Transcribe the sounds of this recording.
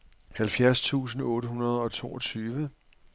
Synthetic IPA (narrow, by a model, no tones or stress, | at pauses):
hælfjæɐst͡sʰṵːs̬n̩ɔ̽ːɾəɦunɐð̞ˠɒ̽t͡sʰo̝̰ːɒ̽t͡sʰyːʋə